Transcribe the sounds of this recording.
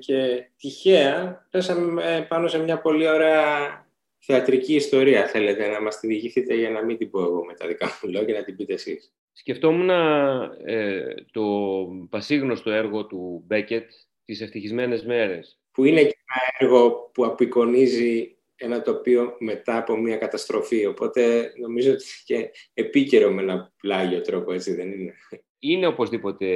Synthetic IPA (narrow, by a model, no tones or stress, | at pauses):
ce̞t̪içeɐpesɐmepɐno̞se̞mɲɐpo̞lio̞ɾe̞ɐ | θeɐt̪ɾiciːst̪o̞ɾiɐθe̞le̞t̪e̞nɐmɐst̪iðiʝiθit̪e̞ʝɐnɐmid̪iboeɣo̞me̞t̪ɐðikɐfulece̞nɐt̪ibit̪esḭs | sce̞ft̪o̞munɐ | t̪o̞pɐsiɣno̞st̪o̞e̞ɾɣo̞t̪ubece̞t̪ | t̪iseft̪içizme̞ne̞zme̞ɾe̞s | puinecenɐeɾɣo̞puɐpiko̞nizi | e̞nɐt̪o̞pio̞me̞t̪ɐːpo̞miɐkɐt̪ɐst̪ɾo̞fio̞po̞t̪e̞no̞mizo̞ot̪ii̥ceːpice̞ɾo̞menɐplɐʝiot̪ɾo̞po̞e̞t͡siðe̞nine | ine̞o̞po̞zðipo̞t̪e̞